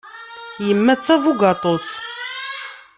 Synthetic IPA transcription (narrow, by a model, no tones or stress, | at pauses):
jəmːæt͡sːævuɡɑt̪ˤos